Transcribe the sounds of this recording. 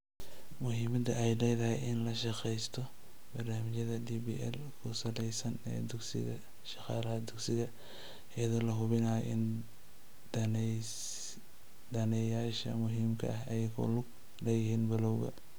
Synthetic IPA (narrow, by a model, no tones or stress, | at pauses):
mʊɦiːmɐd̪ɐɛjlɛjðɐɦɛjɪnlɐʃɑqɛjst̪ʰɔ | bɐrnaːmɪt͡ʃɐðɐd̪ibḭːʔɛ̰l | kʰʊsɐlɛjsɐnɛ̰ːd̪ʊɡsɪ̰ɣɐ | ʃɑqɑːlɐhɐd̪ʊɡsɪɣɐ | ɛjɐðɔːlɐɦʊβɪnajɔ̰ʔɪn | d̪ɐnɛjaːʃɐ̰mʊɦiːmkʰɐ̰ʔɐɦɐjkʰʊ̰lʊɡ | lɛjɪhiːnbɐlɔwɣɐ̰